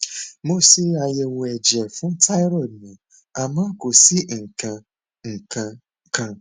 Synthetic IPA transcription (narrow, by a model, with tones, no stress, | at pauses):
mo˦si˦a˧je˧wũ˧ɛ˨d͡ʒɛ˨fũ˦tʰa˦i˦ɾɔ˦˨dnã˨ | a˨mãː˦ko˨si˦ŋ̩˨kã˧ | ŋ̩˨kʰã˧ | kã˧